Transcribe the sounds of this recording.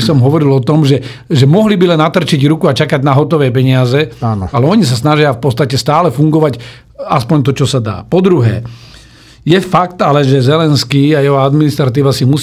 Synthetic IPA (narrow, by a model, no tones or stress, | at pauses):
isɔmɦɔʋɔɾilɔt̪ɔmʒɛ | ʒɛmɔɦlibilɛnːat̪r̩t͡ʃiɟɾukuat͡ʃakaɟnaɦɔt̪ɔʋɛːpɛɲɪazɛaːn̰alɛɔɲis̬asnaʒɪafpɔt̪st̪acɛst̪aːlɛfuŋɡɔʋac | aspɔɲt̪ɔt͡ʃɔsad̪a̰ːpɔd̪ɾuɦɛ̰ː | jɛfakt̪alɛʒɛzɛlɛnskiːajɛɦɔad̪minist̪ɾat̪iːʋasimus